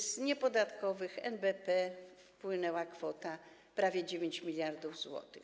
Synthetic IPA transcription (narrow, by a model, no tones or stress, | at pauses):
zɲɛpɔd̪at̪kɔvɘxɛ̰nbɛpɛfpwɘnɛwakfɔt̪a | pɾavʲjɛd͡ʑevʲjeɲt͡ɕmʲilʲjaɾd̪uvzwɔ̰t̪ɘx